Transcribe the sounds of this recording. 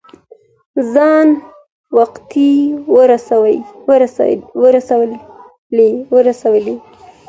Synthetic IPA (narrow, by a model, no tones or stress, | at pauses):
zɑn | waqt̪iwəɾasawj | wəɾasaw | lewəɾasawəle